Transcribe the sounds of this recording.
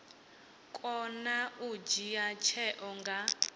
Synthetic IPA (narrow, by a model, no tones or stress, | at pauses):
kʼɔnaud͡ʒijat͡ʃʰɛʔɔŋɡa